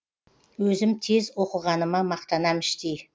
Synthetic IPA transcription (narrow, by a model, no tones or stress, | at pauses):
wɵzɪmt̪ʰe̞zwo̞qəʁɑnəmɑmɑq̚t̪ɑnɑmɪʃt̪ej